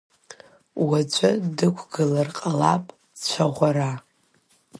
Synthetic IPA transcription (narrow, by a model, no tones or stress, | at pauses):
wad͡ʒʷʼadɨkʷʰɡɨlarqʼalapʼ | t͡ɕʷʰaʁʷaɾa